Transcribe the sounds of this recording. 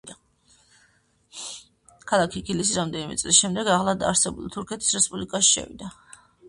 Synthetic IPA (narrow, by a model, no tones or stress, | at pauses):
kʰalˠakʰiɡilisiɾamd̪ɛnimʔɛ̰t̪sʼlisʃɛmd̪ɛɡaʁlˠad̪a̰ːɾsɛbṵlˠit̪ʰuɾkʰɛt̪ʰi̥sɾɛspʼublikʼaʃi̥ʃɛ̰vḭd̪a